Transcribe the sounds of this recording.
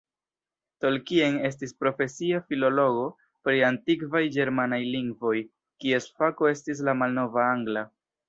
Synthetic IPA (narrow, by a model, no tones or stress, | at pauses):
to̞lkie̞ne̞s̬tispɾo̞fe̞siafilo̞lo̞ɡo̞ | pɾiantikvajd͡ʒe̞ɾmanajliŋɡvo̞j | kie̞sfako̞e̞stis̬lamalno̞vaaŋɡla